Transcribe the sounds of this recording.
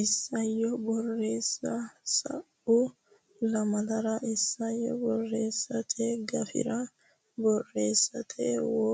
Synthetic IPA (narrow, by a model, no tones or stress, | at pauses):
ʔɪsːɐjːɔbɔrːe̞ːsːɐsɐ̰ʔ | ʊ | lɐmɐd̪ɐɾɐɪsːɐjːɔ̰bɔrːe̞ːsːɐt̪ʰʼeɡɐfɪ̰ɾɐ | bɔrːe̞ːsːɐt̪ʰḛwɔ